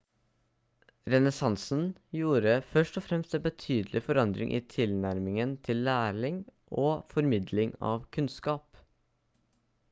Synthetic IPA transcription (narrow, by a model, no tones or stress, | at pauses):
ɾɛnɛsɑnsn̩juːɾəfœʂʈɔfɾɛmst̪ɛbət̪ʰyːd̪lʔɪfɔɾɑnd̪ɾɪ̰ŋʔḭːt̪ʰɪlnæɾmɪŋənt̪ʰɪlːæːɭɪŋʔoːfɔɾmɪd̪lɪŋɑ̰ːʋkʰʉnskɑːp